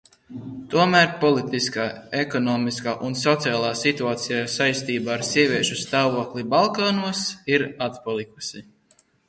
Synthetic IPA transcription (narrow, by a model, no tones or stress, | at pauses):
t̪uɔmæːɾpɔlˠit̪iskaːekɔnɔːmiskaːʔunsɔt̪siaːlˠaːsit̪uaːt̪sijasajst̪iːbaːɾsiɛvʲiɛʃust̪aːvuɔklibalˠkaːnuɔsiɾat̪palˠikusi